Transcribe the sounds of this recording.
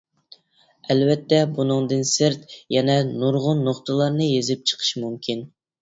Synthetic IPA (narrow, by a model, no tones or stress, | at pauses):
ɛlvɛt̪ːɛbunɨŋd̪ɨnsɪɾt̪jɛnɛnuɾʁʊnːoχt̪ʰəlˠɑɾnɨjezɪp̚t͡ʃʰə̥qʰə̥ʃmumkʲin